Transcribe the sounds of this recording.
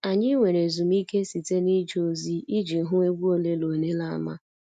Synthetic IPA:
a˨ɲɪ˦ŋʷe˨ɾe˨zu˨m̩˦i˦ke˦si˨te˦ni˦d͡ʒo˦˨zi˦i˦d͡ʒi˨˦ɦʊ˦e˦ɡʷu˦o˦le˦lo˨ne˦la˦a̰˨ma̰˦

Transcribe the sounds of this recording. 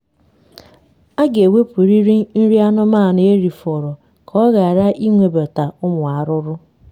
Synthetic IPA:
a˦ɡe˨we˦pu˨ɾi˦ɾi˦n̩˦ɾi˦a˦nʊ˦maː˦˨ne˨e˦ɾi˨fɔ˨ɾɔ˨ | kʰɔ˦ɣa˨ɾa˦ʔi˦ŋʷe˨bɔ˨ta˨ʊ˦mʷ˨a˨ɾʊ˦ɾʊ˦

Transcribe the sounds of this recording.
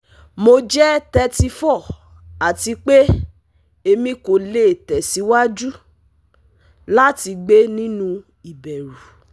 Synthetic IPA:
mo˧d͡ʒɛ˦tɛ˧˦ti˧fɔ˦˨ | a˨ti˨˧k͡pe˦ | e˧mĩ˧ko˨le˨tɛ˨si˨˦wa˦d͡ʒu˦ | la˦ti˧ɡ͡be˦nĩ˦nũ˦ | i˨bɛ˨ɾu˨

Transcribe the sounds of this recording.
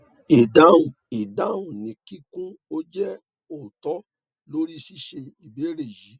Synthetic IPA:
e˨da˨˦ũ˨ | e˨da˨˦ũ˦˨nĩ˨˦ki˦kũ˦o˦d͡ʒɛ˦ | o˨tɔ˨˦ | lo˦ɾi˦si˦ʃe˧i˨be˨˦ɾe˦˨ji˨˦

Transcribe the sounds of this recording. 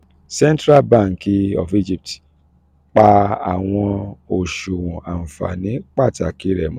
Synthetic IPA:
sɛ̃˦ntɾa˦lbã˦˨ŋ˨ki˧ɔ̰˨fi˦d͡ʒi˦˨p̚t | k͡pa˧a̰˨w̃ɔ̃˧o˨ʃo˨wɔ̃˨ʔa˨n̩˨fa̰˨nĩ˨˦k͡pa˦˨ta˨ki˨˦ɾɛ˨mɔ̃˦

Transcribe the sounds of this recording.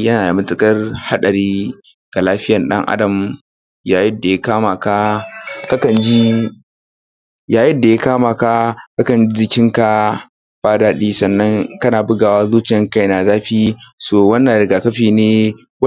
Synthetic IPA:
jɐ˦naː˨ja˨mɪ˦tɪ˦kʼɐ˦rha˦ɗɐ˨ɾiː˦ | ɡ̥a˨laː˦ɸɪ˦jɐ˨nɗɐ̰˦ŋʔa̰˦dɐ˨m | jaː˨jɪ˦da˨ja˦kaː˦ma˨ka˦kɐ˦kɐ˨nd͡ʒi˦ | jaː˨jɪ˦nda˨ja˦kaː˦maː˨ka˦ka˦kɐ˨nd͡ʒi˦d͡ʒɪ˨kʲɪ˦ŋka˨ | b̥aː˦daː˦ɗiː˦sɐ˨nːɐ˦ŋkɐ˦naː˨bʊ˦ɡaː˨waː˦zuː˦t͡ʃɪ˨jɐ˦ŋka˦jnaː˨zaː˦ɸiː˦soː˨wɐ˦nːɐ˨ɽɪ˨ɡaː˨kɐ˦ɸiː˨neː˦ | w

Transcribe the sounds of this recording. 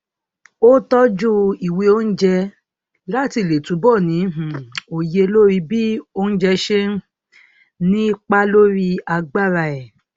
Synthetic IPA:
o˦tɔ˦d͡ʒu˦i˨we˨˧o˦n̩˦d͡ʒɛ˧ | la˦ti˧˨le˨tũ˨˦bɔ˦˨nĩ˨˦ɦ̩˨o˨je˧lo˦ɾi˧bi˦o˦n̩˦d͡ʒɛ˧ʃe˦ | nĩ˦i˦k͡pa˦lo˦ɾi˧a˧ɡ͡ba˦˨ɾa˧˨ɛ˨

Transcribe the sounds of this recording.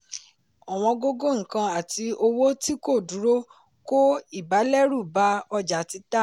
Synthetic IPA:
ɔ˨w̃ɔ̃˧ɡo˦ɡo˦ŋ̩̃˨kã˧a˨ti˧o˧wo˦ti˦ko˦˨du˨˦ɾo˦ | ko˦i˦˨ba˨˦lɛ˦ɾu˦˨ba˨˦ɔ˧d͡ʒa˨˦ti˧˦ta˦

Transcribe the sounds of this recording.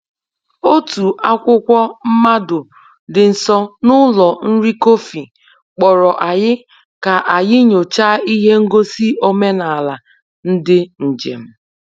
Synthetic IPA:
o˦tu˨ʔa˦kʷʊ˦kʷɔ˦m̩˦ma˦dʊ˨ | dɪ˨n̩˨sɔ˦nʊ˦lɔ˨n̩˦ɾi˦ko˦fi˨ | k͡pɔ˨ɾɔ˨ʔa˨ɲɪ˦ | ka˨ʔa˨jɪ˦ɲo˨t͡ʃa˦i˦ɦe˦ŋ̩˦ɡo˦si˦o˦me˦na˨a˨la˨ | n̩˦dɪ˦n̩˨d͡ʒḛ˨m̩˦

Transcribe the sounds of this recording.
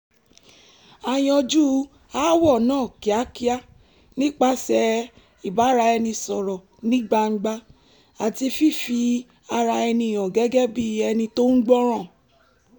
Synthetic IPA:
a˧j̃ɔ̃˧d͡ʒu˦ | a˦wɔ˦˨nãː˦˨ki˨˦a˦ki˦a˦ | nĩ˦k͡pa˦sɛ˧ | i˨ba˨˦ɾa˧ɛ˧nĩ˧sɔ˨ɾɔ˨ | nĩ˦ɡ͡ba˧ŋ͡m̩˦ɡ͡ba˧˦ | a˨ti˧fi˦˨fi˧ | a˧ɾa˧ɛ˧nĩ˧˨jɔ̃˨ɡɛ˨˦ɡɛ˦bi˦ɛ˧nĩ˧to˦ŋ̩˦ɡ͡bɔ̃˦ɾ̃ã˦˨

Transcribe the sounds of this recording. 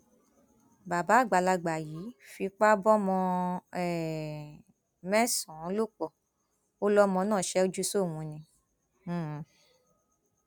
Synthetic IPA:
ba˨ba˨˦˨ɡ͡ba˨la˧ɡ͡ba˨ji˨˦fi˧k͡pa˦bɔ˦mɔ̃˧ɛ˦˨ | mɛ̃˦sɔ̃˨˦lo˦k͡pɔ˨ | o˦lɔ˦mɔ̃˧nãː˦˨ʃɛ˨˦o˦d͡ʒu˦so˦˨w̃ũ˨˧nĩ˧˦˨

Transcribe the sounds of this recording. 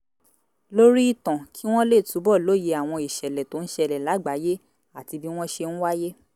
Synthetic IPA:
lo˦ɾi˦i˦˨tã˨ki˨˦w̃ɔ̃˦le˦˨tu˨˦bɔ˦˨lo˦˨je˧a˨w̃ɔ̃˧i˨ʃɛ˨lɛ˨to˨˦ñ̩˦ʃɛ˧lɛ˨la˨˦ɡ͡ba˨˦je˦ | a˦˨ti˧bi˦w̃ɔ̃˦ʃe˧ñ̩˦wa˦je˦

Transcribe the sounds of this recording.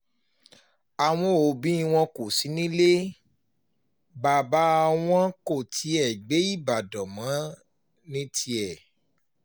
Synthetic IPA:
a˨w̃ɔ̃˧o˨bĩ˨˦i˧w̃ɔ̃˧ko˨si˨˦nĩ˦le˦ | ba˨ba˨˦˧w̃ɔ̃˦ko˦˨tʰi˨˦ɛ˨ɡ͡be˨˦i˦˨ba˨dɔ˨mã˨˦ | nĩ˦tʰi˧ɛ˦˨

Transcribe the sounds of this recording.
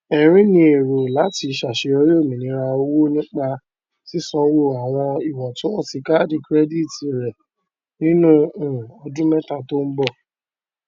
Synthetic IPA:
ɛ˨ɾ̃ĩ˨˦nĩ˧e˨ɾo˨la˨˦ti˧˦ʃa˨ʃe˧o˧˦ɾi˦o˦˨mĩ˨nĩ˨˦ɾa˧o˧wo˦nĩ˦k͡pa˧ | si˦sɔ̃˧˦wo˦˨a˨w̃ɔ̃˧i˨wɔ˨to˨˦ɔ˦˨ti˧ka˦di˧kɾɛ˦di˦˨ti˨ɾɛ˨ | nĩ˦nũ˦ũ˨ɔ˧dũ˦mɛ˦ta˧to˦n̩˦bɔ˦˨

